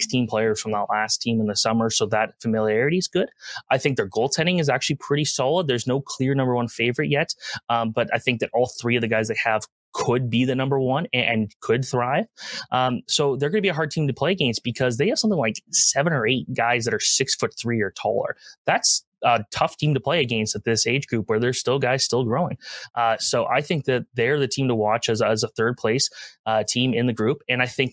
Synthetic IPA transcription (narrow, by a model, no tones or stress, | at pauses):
kstʰĩmpʰl̥eɪə˞z̥fɹʌ̃mðəʔˡlæstʰĩmə̃nðɨsʌmə˞soʊðətfɨmɪlˠiɛɹɨɾizɡʊd̥ʔaɪθɪ̃ŋk̚ðə˞ɡoʊlˠtʰɛ̃ñɪ̃ŋɨzæk̚t͡ʃʉl̩ˠipʰɹ̥ɪɾisɑlˠəd̪̚ðə˞znoʊkʰl̥ɪɹnʌ̃mbə˞wʌ̃nfeɪvə˞ɨʔ̚jɛt̚ʌ̃b̥ʌɾa̰ɪθɪ̃ŋk̚ðɨɾɔlˠθɹiʌvðɨɡaɪzðeɪɨv̥ | kʰəd̚biðɨnʌ̃mbə˞wʌ̃nɨ̃nkʰɨd̪̚θɹaɪv̥ʔʌ̃msoʊðə˞ɡʌnəbiɨɦɑɹd̚tʰĩmtɨpʰl̥eɪɨɡẽɪ̃nsb̥ɨkʰʌzðeɪɨv̥sʌ̃mθɪ̃ŋlaɪksɛvɨ̃nə˞eɪt̚ɡ̥aɪzðɨɾə˞sɪksfʊt̪̚θɹiə˞tʰɔ̰lˠə̰˞ðæts | ətʰʌftʰĩmtəpʰl̥eɪɨɡẽɪ̃nsɨt̪̚ðɪseɪd͡ʒɡɹʉpwə˞ðə̥˞stɪlˠɡaɪz̥stɪlˠɡɹoʊɪ̃ŋʔʌsoʊʔa̰ɪθɪ̃ŋk̚ðɨt̪̚ðeə˞ðɨtʰĩmtʰəwɑt͡ʃɨzəzəθɜ˞d̚pʰl̥eɪsʌtʰĩmɪ̃nðɨɡɹʉpɨ̃naɪθɪ̃ŋk̚